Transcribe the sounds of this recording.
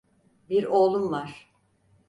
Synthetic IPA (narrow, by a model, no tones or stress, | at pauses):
biɾoːlˠumvaɾ̥